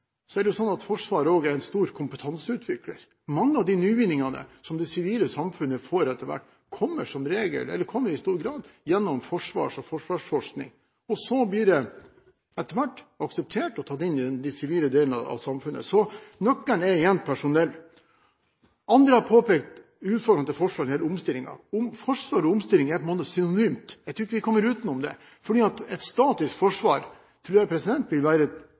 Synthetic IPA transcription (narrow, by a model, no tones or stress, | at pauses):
sɔæɖɛjʊsɔnːɑt̪fɔʂʋɑːɾəoːɡɛɾɛnst̪uːɾkʰʊmpət̪ʰɑnsəʉːt̪ʰʋɪklə̰ɾ | mɑŋːəɑʋd̪ɪnyːʋɪnɪŋɑnə̰sɔmd̪ɛsɪʋiːləsɑmfʉnːəfoːɾɛt̪ːəɾʋæ̰ʈː | kʰɔmːəʂɔmɾeːɡə̰lɛ̰lːəɾkʰɔmːəɾɪst̪uːɾɡɾɑːd̪jɛnːɔmfɔʂʋɑ̰ːʂɔfɔʂʋɑːʂfɔʂknɪ̰ŋ | ɔsɔbliːɖɛ | ɛt̪ːəɾʋæʈːɑksɛp̚t̪ʰeːʈɔt̪ʰɑt̪ːɪnːɪd̪ɛnd̪ɪsɪʋiːləd̪eːln̩ɑ̰ɑ̰sɑmfʉnːə̰sɔnɔkːəɳɛɾɪɛnt̪̚pʰæʂʊnɛlː | ɑnd̪ɾəhɑɾpʰoːpɛːk̚t̪ | ʉːt̪fɔɾɖɾɑɑt̪ɛfɔʂʋɑːɾnhɛləʊmst̪ɪlːɪŋɑ̰ʊmfɔʂʋɑːɾɔʊmst̪ɪlːɪŋæpʰɔɛnmoːt̪əsʏnʊnyːmt̪jæɪt̪ɾʉɾɪkːəʋɪkʰɔmːəɾʉːt̪nʊmd̪ɛ̰ | fɔɖiːɑt̪ɛt̪st̪ɑːt̪ɪskfɔʂʋɑːɾ | t̪ʰɾʉːɾjɛɪpʰɾɛsɪd̪ɛnt̪ʋɪlʋæːɾə